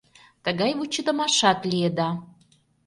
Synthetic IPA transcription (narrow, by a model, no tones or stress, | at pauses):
t̪ə̆ɣɑjβut͡ɕə̆d̪ə̆mɑʃɑt̪lied̪ɑ